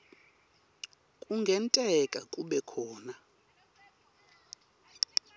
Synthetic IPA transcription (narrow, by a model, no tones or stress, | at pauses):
kʼuŋɡʱɛntʼɛkʼakʼuɓɛkʰɔːna